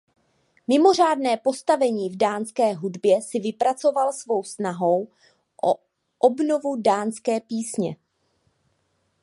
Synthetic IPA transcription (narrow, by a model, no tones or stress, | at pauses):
mɪmo̞r̝aːdnɛːpo̞st̪avɛɲiːvdaːnskɛːɦudbjɛsɪvɪpɾat͡so̞valsvo̞wsnaɦo̞w | ʔo̰ | ʔobno̞vudaːnskɛːpiːsɲɛ̰